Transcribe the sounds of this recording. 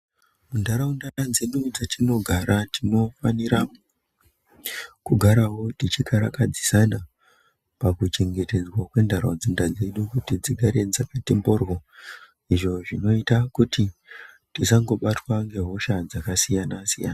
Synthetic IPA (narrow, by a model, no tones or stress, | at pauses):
mundaɾaundaɾad͡zenud͡zatino̞ɡʱaɾatino̞faniɾa | kuɡʱaɾaɦo̞tit͡ʃikʰaɾakad͡zisana | pakut͡ʃe̞ŋɡe̞te̞d͡zwakwe̞ndarad͡zindad͡ze̞ɗukutid͡ziɡʱaɾe̞d͡zakatembo̞rwo | iʐo̞ʐino̞itakuti | tisaŋɡo̞ɓatwaŋɡe̞ɦo̞ʃad͡zakasijanasijana